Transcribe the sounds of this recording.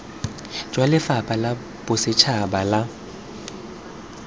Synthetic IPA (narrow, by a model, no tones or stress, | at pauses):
d͡ʒʼwalɪfapʼala | b̥ʊsɪt͡ʃʰabala